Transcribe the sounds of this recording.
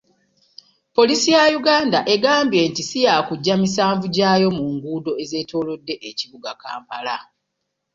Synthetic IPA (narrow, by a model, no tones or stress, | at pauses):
po̞lisijajuɡaːndaʔe̞ɡaːmbje̞ːntisijaːkuɟːamisaːɱvuɟaːjo̞muŋɡuːdo̞eze̞ːto̞ːlo̞dːe̞ʔeciβuɡaka̰ːmpala